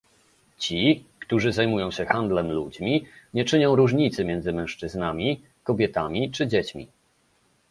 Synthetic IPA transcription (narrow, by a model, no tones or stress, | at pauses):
t͡ɕikt̪uʐɘzajmujɔ̃w̃ɕɛxand̪lɛmlud͡ʑmʲiɲɛt͡ʂɘɲɔ̃w̃ɾuʐɲit̪sɘmʲjɛnd̪zɘmɛ̃w̃ʂt͡ʂɘznamʲi | kɔbʲjɛt̪amʲit͡ʂɘd͡ʑɛt͡ɕmʲḭ